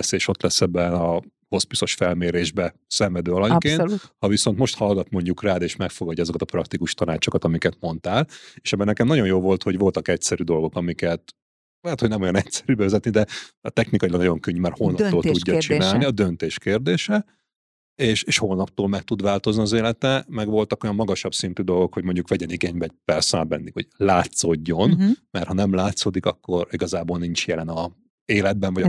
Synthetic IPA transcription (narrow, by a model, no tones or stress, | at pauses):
seːʃo̞t̪lɛsɛbɛnɒ | ho̞spiso̞ʃfɛlmeːɾeːʒbɛ | sɛɱvɛd̪øːɒlɒɲkeːnhɒviso̞nt̪mo̞ʃt̪hɒlɡɒt̪mo̞ɲɟukraːd̪eːʃmɛkfo̞ɡɒɟːzo̞kɒt̪ɒpɾrɒkt̪ikuʃt̪ɒnaːt͡ʃo̞kɒt̪ɒmikɛt̪mo̞nt̪aːleːʃɛbːɛnɛkɛmnɒɟo̞njoːvo̞lt̪ho̞ɟvo̞lt̪ɒkɛcsɛɾyd̪o̞lɡo̞kɒmikɛt̪ | lɛɦɛt̪ho̞ɟnɛmo̞jɒnɛcsɛ̥ɾybɛvɛzɛt̪nid̪ɛt̪ɛxnikɒilɒɡnɒjo̞ŋkøɲːmarholnɒpt̪oːlt̪uɟːɒt͡ʃinaːlniɒd̪ønt̪eːʃkeːrd̪eːʃɛ | eːʃeːʃholnɒp̚t̪oːlmɛk̚t̪ud̪ʋaːlt̪o̞zniɒzeːlɛt̪ɛmɛɡʋo̞lt̪ɒko̞jɒmːɒɡɒʃɒpsint̪yd̪o̞lɡo̞kho̞ɟmo̞ɲɟukʋɛɟɛniɡeːɲbɛɟ̚pɛrsɛbɛ̰nːikho̞̰̥laːt̪soɟːo̞nmɛrt̪hɒnɛmlaːt̪soːd̪ikɒkːo̞ɾiɡɒzaːboːlnint͡ʃjɛlɛnɒ | eːlɛd̪̚bɛɱvɒ